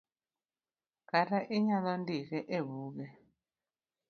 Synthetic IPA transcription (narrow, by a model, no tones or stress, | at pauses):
kataʔiɲaðɔndiɣɛʔeβuːkɛ